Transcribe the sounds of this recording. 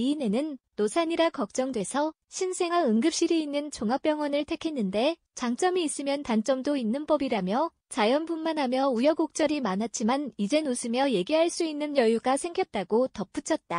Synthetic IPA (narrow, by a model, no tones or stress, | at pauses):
iːne̞nɯnːosʰaɲiɾakʌk̚t͡ɕ͈ʌŋdwe̞sʰʌ | ɕʰinsʰe̞ŋaɯŋɡɯp̚ɕ͈iɾiinːɯnt͡ɕoŋap͈jʌŋwʌnɯɭtʰe̞kʰe̞nːɯnde̞ | t͡ɕaŋt͡ɕ͈ʌmiːs͈ɯmjʌntant͡ɕ͈ʌmdoinːɯnpʌbiɾamjʌ | t͡ɕajʌnpunmanɦamjʌujʌɡok̚t͡ɕ͈ʌɾimanɦat̚t͡ɕ͈ʰimanid͡ʑe̞nosʰɯmjʌje̞ɡiɦaɭs͈uinːɯnjʌjuɡasʰe̞ŋɡjʌt̚t͈aɡotʌp͈ut͡ɕʰʌt̚t͈a